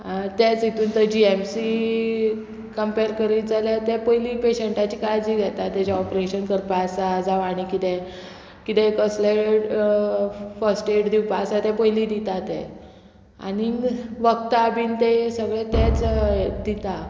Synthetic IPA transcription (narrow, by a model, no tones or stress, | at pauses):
t̪ɛt͡sit̪ʰuːnt̪əd͡ʑiemsi | kəmpeɾkəɾiːt̪d͡zalat̪ɛpəjliːpeɕeɳʈat͡ɕiːkajd͡ʑiːɡʱɛt̪at̪ːɛd͡ʑaɔpɾeɕənkəɾpasad͡zaʋaɽ̃ikit̪ɛ̃ | kit̪ɛ̃kəsleʈ | fəsʈeʈd̪iwpasat̪ɛ̃pəjliːd̪it̪at̪ɛ̃ | a̰niʋəkt̪aːbiːnt̪esəɡɭẽt̪ɛt͡sd̪it̪a